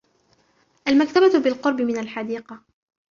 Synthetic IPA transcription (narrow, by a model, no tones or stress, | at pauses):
ʔalmakt̪ababɪlqʊɾˤbɪmɪnalħad̪iːqɑ